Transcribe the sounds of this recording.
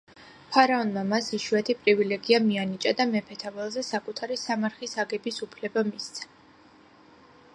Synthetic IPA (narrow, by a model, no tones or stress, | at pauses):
pʰaɾaɔnmamasiʃuɛt̪ʰipʼɾivilɛɡiamianit͡ʃʼad̪amɛpʰɛt̪ʰavɛlˠzɛsakʼut̪ʰaɾisamaɾχisaɡɛbisupʰlɛbamist̪sʰḁ